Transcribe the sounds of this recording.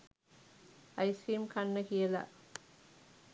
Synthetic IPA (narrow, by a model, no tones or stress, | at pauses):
ɐjsiːmkʰɐnːəkijɐla̰